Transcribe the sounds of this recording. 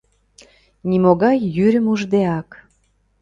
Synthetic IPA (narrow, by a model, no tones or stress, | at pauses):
nimoɣɑjːyɾʲə̆muʒd̪eɑk